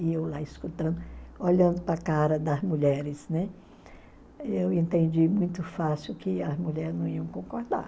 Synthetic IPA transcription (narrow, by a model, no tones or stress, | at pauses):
iewlaiskut̪ɐ̃nd̪ʊoʎɐ̃nd̪ʊpɾɐkaɾɐd̪ɐzmuʎɛɾɪsnɛ | ewẽnt̪ẽnd͡ʒimũj̃t̪ʊfasɪʊkɪɐzmuʎɛɾɪznɐ̃w̃iɐ̃w̃kõkoɾd̪a̰ɾ